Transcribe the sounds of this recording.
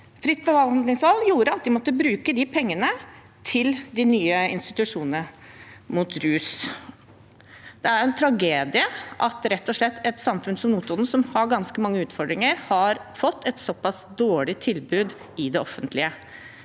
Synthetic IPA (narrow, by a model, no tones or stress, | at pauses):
fɾɪt̪ːbəʋɑlnd̪nɪŋsɔlːjuːɾəɑt̪̚d̪ɪmɔt̪ːəbɾʉːkəd̪ɪpʰɛŋːənə | t̪ʰɪld̪ɪnyːəɪ̰nst̪ɪt̪ʉʂuːnnə | mut̪ɾʉːs | d̪̥ɛæɾjʊɛnt̪ʰɾɑɡeːd̪ɪəʔɑt̪ɾɛt̪ːɔʂɭɛt̪ːɛt̪sɑmfʉnsɔmnuːt̪ʊnn̩sɔmhɑɾɡɑnskəmɑŋːəʉːt̪fɔɖ̪ɾɪŋəɾhɑɾfɔt̪ːɛt̪sɔpɑsd̪oːɭɪt̪ʰɪlbʉːd̪ | ɪd̪ɛɔfːənt̪ʰlɪə